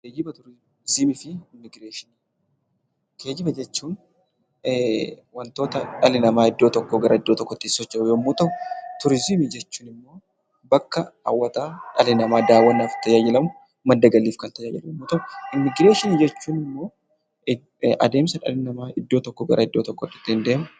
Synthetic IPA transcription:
keːd͡ʒɪbɐt̪ʊɾɪ | zɪmɪfɪɪmːɪɡɾeːʃɪn | ke̞ːd͡ʒɪbɐd͡ʒɛt͡ʃːuːn | wɐnt̪o̞ːt̪ɐᶑɐlɪnɐmaːɪd̪ːoːt̪ɔkːoɡɐɾʔɐɪd̪ːoːt̪ɔkːɔt̪ːɪsːɔt͡ʃːɐjoːmuːt̪ɐwʊt̪ʊɾɪzɪmɪd͡ʒɛt͡ʃːuːnɪmːo̞ː | bɐkːɐɐ̰wːɐt̪aːᶑɐlɪnɐmaːd̪aːwːɐnːaːft̪ɐjaːd͡ʒɪlɐmʊ | mɐd̪ːɐɡɐlːiːfkɐnt̪ɐjaːd͡ʒɛljmːuːt̪ɐʊɪmːɪɡɾe̞ːʃɪnid͡ʒɛt͡ʃːuːnɪmːo̞ː | ʔɐ̰d̪e̞ːmsɐᶑɐ̰lɪnɐmaːɪd̪ːo̞ːt̪ɔkːoɡɐɾʔɐɪd̪ːoːt̪ɔkːɔt̪ːɪ̥t̪ːɪnd̪eːmɐ

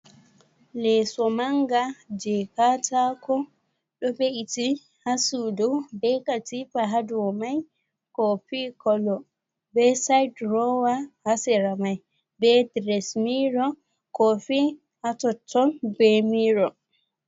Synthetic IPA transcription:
lɛsɔmaŋɡad͡ʒɛkatakɔ | ɗɔbeʔiti | hasudɔwbɛkatifaɦaduwmaj | kɔfikɔlɔ | bɛsajdɾɔwahasɛɾamaj | bɛdɾɛsmiɾɔ | kɔfi | hatɔtʰːɔnbɛmiɾɔ

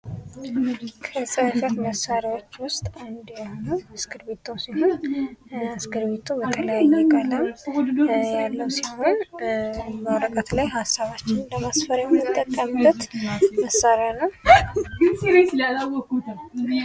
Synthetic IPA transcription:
kʰəsʼəhfət̪məsːaɾiwo̞t͡ʃːwʊst̪ʼand̪jahonuɨsɡɨɾbet̪ʰowsiho̞n | askɨɾβet̪ʰobət̪ʰʼəlːajainːaalːən | jalːəwsahon | bəwɾəkʼət̪lajhasːaβat͡ʃːɪnləmasfəɾamɨt̪ʼːəkʼːəmlət̪məsːaɾjanəwɡɨsiɾeaawɔkut̪ʰ

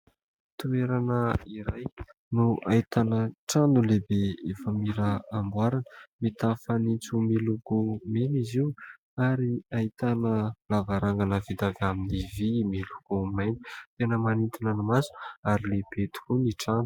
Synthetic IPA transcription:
t̪ueɾanəiɾaj | nuait̪anəʈ͡ʂanulebeefəmiɾəambwaɾanə̥mit̪afanint͡sumiluɡumeniziw | aɾiait̪anəlavaɾaŋɡanəvid̪aɡaminivimiluɡ̥umajni̥t̪enəmanint̪inanamazu̥aɾilebet̪u̥kuniʈ͡ʂanu̥

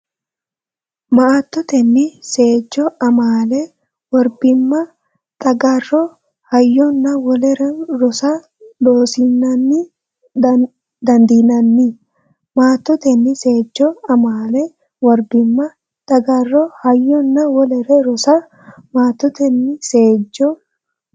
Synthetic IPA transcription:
mɐʔaːt̪ːɔt̪ɛnːɪse̞ːd͡ʒːɔɐmaːlɛ | wɔɾbɪmːɐ | t̪ʼɐɡɐrːɔ | hɐjːɔnːɐwɔlɛɾɛɾɔsɐ | d̪oːsɪnːɐnːɪ | d̪ɐnd̪inɐnːɪ | maːt̪ːɔt̪ɛnːɪse̞ːd͡ʒːɔɐmaːlɛ | wɔɾbɪmːɐ | t̪ʼɐɡɐrːɔhɐjːɔnːɐwɔlɛɾɛɾɔsɐ | maːt̪ːɔt̪ɛnːɪse̞ːd͡ʒːɔ

